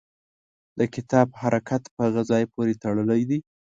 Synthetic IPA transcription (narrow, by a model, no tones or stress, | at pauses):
d̪̥əkɪt̪ɑbhaɾʔakat̪pəhaɣəzɑjpoɾet̪əɽəlajd̪i